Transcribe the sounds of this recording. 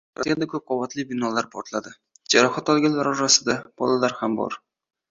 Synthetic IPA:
at̪ɡʲand̪akʰʲɵp̚qʰovat̪lˠɪbɪnɒlˠaɾpʰoɾt̪lˠad̪ɪ | d͡ʒaɾɒχat̪ɒlˠɡʲanlaɾɒɾasɪd̪ab̥ɒ̰lˠalaɾhambɒ̰ɾ

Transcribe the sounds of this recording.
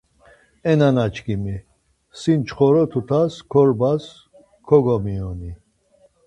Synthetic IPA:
ɛnanat͡ʃʰkimi | sint͡ʃʰχɔɾɔt̪ʰut̪ʰaskʰɔɾbas | kʰɔɡɔmiɔni

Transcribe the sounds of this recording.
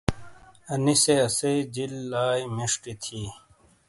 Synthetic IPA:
ɐniseɐseid͡ʑilːaːjmiʂʈit̪ʰiː

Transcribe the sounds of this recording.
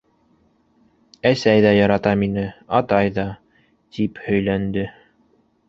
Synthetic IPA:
æsæjðæjɑɾɑt̪ɑminɘɑt̪ɑjðɑ | t̪ʰiphɵ̆jlænd̪ɘ

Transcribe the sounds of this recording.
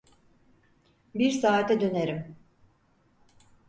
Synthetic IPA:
biɾsaːt̪ʰɛd̪øneɾim

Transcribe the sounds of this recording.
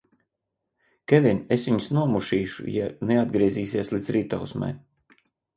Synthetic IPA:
kʲevinʲesʋʲiɲsnuɔmuʃiːʃṵjanead̪ɡɾiɛziːsiɛslˠid̪zɾiːt̪a̰wsma̰j

